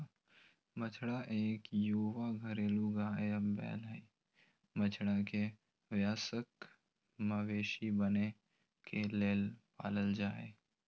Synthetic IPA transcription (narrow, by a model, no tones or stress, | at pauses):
mət͡ʃʰɽaʔeːkjuːʋaɡʱəɾeːluɡaːbɛ̰ːləi | mət͡ʃʰɽake | ʋjaːsək | məʋeːʃibəne | kʰeleːlpa̰ːləld͡ʒaːeː